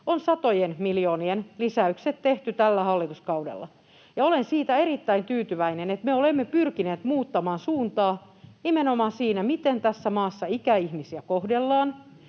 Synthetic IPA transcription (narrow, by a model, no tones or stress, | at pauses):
onsɑt̪ojenmiljoːnienlisæykset̪tːeht̪yt̪ælːæhɑlːit̪uskɑuwdḛlːɑ̰ | jɑolensiːt̪æeɾit̪ːæint̪yːt̪yʋæinenet̪meolemːepyrkineːt̪muːt̪ːɑmɑːnsuːnt̪ɑː | nimenomɑːnsiːnæmit̪ent̪æsːæmɑːsːɑikæihmisiækohdelːɑːn